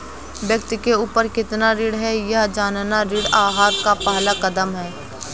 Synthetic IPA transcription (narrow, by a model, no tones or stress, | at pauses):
bjɐk̚t̪ɪkeuːpəɾkɪt̪naɾɪːɽɦɛjɐɦd͡ʒaːnnaɾiːɽaːɦaːɾkapaɦlakɐd̪əmɦɛː